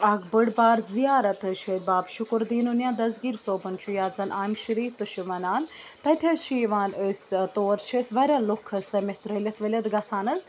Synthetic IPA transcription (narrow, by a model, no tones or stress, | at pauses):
ɐɡbəɽbaːɾzijaːɾɐt̪ɨʃed̪baːbʃʊkɾd̪iːnunjaːd̪ɐzɡiːɾsoːbɐnt͡ʃʰujaːzɐnʔaːmʃiɾiːt̪uʃuʋɐnaːnt̪ɐt̪ʲʰezʃiːʋaːnəsʲt̪oːɾt͡ʃʰisʋɐɾʲaːlokʰːɐst̪ɐmʲet̪ɾɐlʲɐt̪ʋɐlʲɐt̪ɡɐt͡sʰaːnɐz